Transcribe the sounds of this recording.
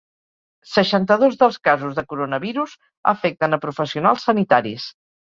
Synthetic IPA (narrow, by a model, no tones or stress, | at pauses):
səʃant̪əðozðəlˠskazuzðəkuɾonəβiɾuz | ə̰fɛk̚t̪ənəpɾufəsiunalˠsːənit̪aɾḭs